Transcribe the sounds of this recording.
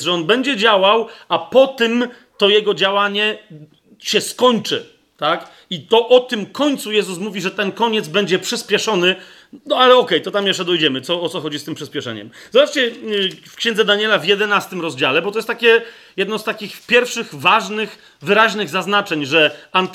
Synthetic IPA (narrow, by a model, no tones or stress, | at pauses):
ʐɛɔnbɛɲd͡ʑɛd͡ʑawawapɔt̪ɘm | t̪ɔjɛɡɔd͡ʑawaɲɛ | ɕɛskɔɲt͡ʂɘ | t̪ak | it̪ɔʔɔt̪ɘmkɔɲt̪sujɛzus̬muvʲiʐɛt̪ɛnkɔɲɛd̪zbɛɲd͡ʑɛpʂɘspʲjɛʂɔnɘ | nɔalɛɔkɛjt̪ɔt̪amjɛʂt͡ʂɛd̪ɔjd͡ʑɛmɘt̪sɔɔt̪sɔxɔd͡ʑist̪ɘmpʂɘspʲɛʂɛ̰ɲɛ̰m | zɔbat͡ʂt͡ɕɛfkɕɛ̃nzɛd̪aɲɛlavʲjɛd̪ɛnast̪ɘmɾɔzd͡ʑalɛbɔt̪ɔjɛst̪akʲɛ | jɛd̪nɔst̪akʲixpʲjɛɾfʂɘxvaʐnɘx | vɘɾaʑnɘɣzaznat͡ʂɛɲʐɛant̪